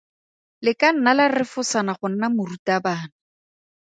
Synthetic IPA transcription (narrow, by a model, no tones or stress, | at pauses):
lɪkan̩nalarɪfʊsanaχʊn̩namʊrutabaːna